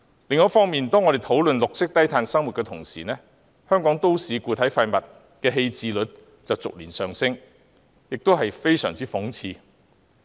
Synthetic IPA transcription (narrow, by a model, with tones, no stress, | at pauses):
lɪ˨ŋːɔː˨˥fɔː˥ŋmiː˨nt̪ɔː˥ŋɔː˨˧ɾe˨jt̪ʰo˨˥wlɵ˨nlʊ˨k̚sɪ˥k̚t̪ɐ˥jt̪ʰaː˧nsɐ˥ŋwu˨t̚kɛː˧t̪ʰʊ˨˩ŋsḭː˨˩nɛː˥ | hœː˥ŋkɔː˨˥ŋt̪o˥wsiː˨˧kuː˧t̪ʰɐ˨˥jfa˧mɐ˨t̚ | kɛː˧ɦe˧jt͡siː˨˧lɵ˨˥t̚ | t͡sɐ˨wt͡sʊ˨k̚liː˨˩nsœː˨˩ŋsɪ˥ŋ | jɪ˨k̚t̪o˥whɐ˨jfe˥jsœː˨˩ŋt͡siː˥fʊ˨˥ŋt͡sʰiː˧